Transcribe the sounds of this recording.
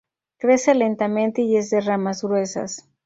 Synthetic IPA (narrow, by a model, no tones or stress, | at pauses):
kɾe̞selent̪amẽnt̪eie̞zðeramazɣɾwe̞sa̰s